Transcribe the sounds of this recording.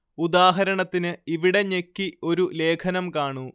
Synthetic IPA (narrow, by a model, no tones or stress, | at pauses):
ud̪aːɦɐɾɐɳɐt̪ːinɨiʋiɽe̞ɲekːio̞ɾule̞ːkʰɐnɐmkaːɳu